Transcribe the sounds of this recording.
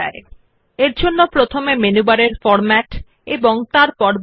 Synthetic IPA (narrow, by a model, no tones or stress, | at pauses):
ae | eɾd͡ʑʱonːopɾot̪ʰomemenubaɾeɾfɔɾmɛʈ | eboŋt̪aɾpɔɾ